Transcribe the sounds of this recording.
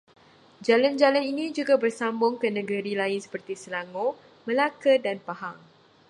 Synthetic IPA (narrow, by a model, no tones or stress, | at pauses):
d͡ʒaland͡ʒalaninĩd͡ʒuɡabərsambʊŋkənə̃ɡəɾilaɪnsə̥pərt̪isəlaŋo | mə̃lakədanpaɦaŋ